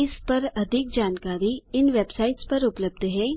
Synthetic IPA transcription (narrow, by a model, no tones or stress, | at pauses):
ɪspɐɾɐd̪ʱɪk̚d͡ʒaːnkaːɾiɪnʋeːbsaːɪʈspɐɾʊpləb̚d̪ʱɦɛ̃ː